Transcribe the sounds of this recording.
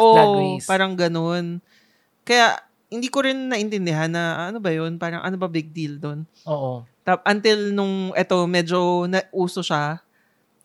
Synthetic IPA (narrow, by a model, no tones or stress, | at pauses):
ʔopaːɾɐŋɡɐno̞n | kɐja̰ | hɪnd̪iːko̞ɾɪnːɐʔɪnt̪ɛnd̪ɪɦanːɐɐnobɐjo̞npaːɾɐŋʔɐ̰nobɐbɪɡ̚d̪ild̪o̞n | oʔot̪ap̚ʔɐnt̪ɪlnʊŋʔɛt̪o̞mɛːd͡ʒo̞nɐʔʔuːso̞ʃa